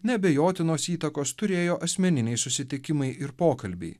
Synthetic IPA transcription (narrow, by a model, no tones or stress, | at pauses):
nʲɛbʲɛjoːt̪ʲɪnoːsiːt̪ɐkoːst̪ʊɾʲeːjoːʔɐsʲmʲɛnʲɪnʲɛɪsʊsʲɪt̪ʲɪkʲɪmɐɪʔɪɾpoːkɐlʲbʲɛ̰ɪ